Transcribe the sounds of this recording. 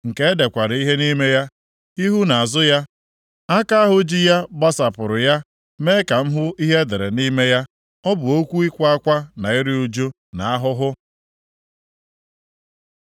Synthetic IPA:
ŋ̩˨ke˦e˦de˨kʷa˨ɾi˦ɦe˦ni˦me˦ja˦ | i˦ɦu˦na˨a˨zʊ˦ja˦ | a˦ka˦a˦ɦʊ˦d͡ʒi˦ja˦ba˦sa˨pʊ˨ɾʊ˨ja˦ | me˦ka˨m̩˦ɦʊ˦i˦ɦe˦de˨ɾe˨ni˦me˦ja˦ | ɔ˦bʊ˨o˦kʷu˦i˦kʷa˦kʷa˦na˨i˦ɾɪ˦u˦d͡ʒo˦ | na˨a˦ɦʊ˦ɦʊ˦

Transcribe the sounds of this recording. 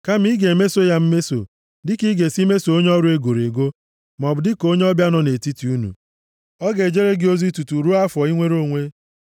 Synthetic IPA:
ka˦m̩˦i˦ɡe˨me˦so˦ja˦m̩˦me˦so̰˨ | dɪ˦ki˦ɡe˨si˦me˦so˨o˦ɲe˦ɔ˦ɾu˦e˦ɡo˨ɾe˨ɡo˦ | m˨ɔ˨bʊ˨dɪ˦ko˦ɲ˦ɔ˦bja˦nɔ˨ne˨ti˦ti˨u˦nṵ˨ | ɔ˦ɡe˨d͡ʒe˦ɾe˦ɡɪ˦o˦zi˦tu˨tu˨ɾu˦a˦fɔ˨i˦ŋʷe˦ɾo˦˨ŋʷe˦

